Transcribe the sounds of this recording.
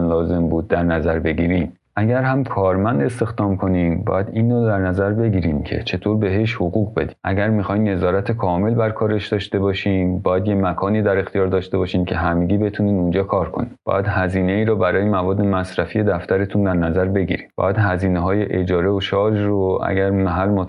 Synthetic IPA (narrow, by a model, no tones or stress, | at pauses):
nlɒːze̞mbuːd̪ːæɾnæzæɾbe̞ɡiːɾin | ʔæɟæɾhæmkʰɒːɾmænd̪e̞st̪e̞xd̪ɒːmkʰo̞niːmbɒ̰ːjæd̪iːnɾɔd̪æɾnæzæɾbe̞ɟiːɾiːmcʰe̞̰t͡ʃʰe̞t̪ʰoːɾbe̞ɦe̞ʃhoɣuːɣbe̞̰d̪iːnʔæɟæɾmixɒːjnne̞zɒːɾæt̪ʰe̞kʰɒːme̞lbæɾkʰɒːɾe̞ʃd̪ɒːʃt̪e̞bɒːʃiːmbɒːjæd̪je̞mækʰɒːniːd̪æɾe̞xt̪ʰijɒːɾd̪ɒːʃt̪e̞bɒːʃiːmcʰe̞ɦæmeɟiːbe̞t̪ʰuːniːd̪und͡ʒɒːkʰɒːɾkʰo̞̰nimbɒ̰ːjæd̪hæziːne̞iːɾɔːbæɾɒːjemævɒːd̪ːe̞mæsɾæfije̞d̪æft̪æɾe̞t̪ʰund̪æɾnæzæɾbe̞ɡḭɾiːbɒ̰ːjæd̪̥hæziːneɦɒːjeʔed͡ʒɒːɾe̞oʃɒːd͡ʒroʔæ̰ɟæɾmæɦælːmot̪